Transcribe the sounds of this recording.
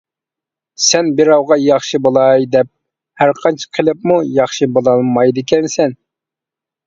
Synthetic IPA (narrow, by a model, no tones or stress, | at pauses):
sɛnbɪɾɑwʁɑjɑχʃɨbolˠɑjd̪ɛp̚ | hæɾqʰɑnt͡ʃʰə̥qʰəlˠɨpmujɑχʃɨbolˠɑlˠmɑjd̪ɨkʲʰɛnsɛn